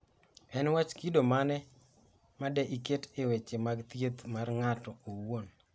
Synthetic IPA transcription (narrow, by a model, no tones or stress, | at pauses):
ɛnwat͡ʃkidomanɛ | madɛʔiketewet͡ʃemaɡt̪jet̪marŋatɔowon